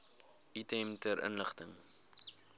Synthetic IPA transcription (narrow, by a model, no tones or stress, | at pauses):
itɛmtəɾʔə̰nləχtəŋ